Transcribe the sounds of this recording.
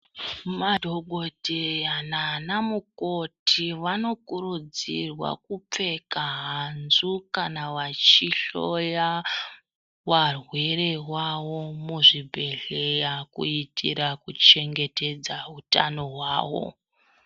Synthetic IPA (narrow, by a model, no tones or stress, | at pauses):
madʱoɡʱo̞dʱeananamuko̞tʰiʋano̞kuɾud͡zirwa̰kup͡fe̞kaɦanzukanaʋat͡ʃiɬoja | ʋarwe̞ɾe̞wawo̞muʐibʱe̞ɮe̞jakuitʰḭɾakut͡ʃe̞ŋɡe̞te̞d͡zaɦutano̞ɦwaːwo̰